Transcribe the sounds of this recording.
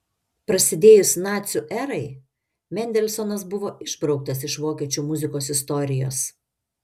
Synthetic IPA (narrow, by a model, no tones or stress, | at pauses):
pɾɐsʲɪd̪ʲeːjʊsʲnɑːt̪sʲuʔɛɾɐɪ | mʲɛnʲd̪ʲɛlʲsɔnɐs̬bʊʋoːʔɪʒbɾɒʊk̚t̪ɐsɪʃʋoːkʲiɛt͡ʃʲuːmʊzʲɪkoːsɪst̪ɔɾʲɪjo̰ːs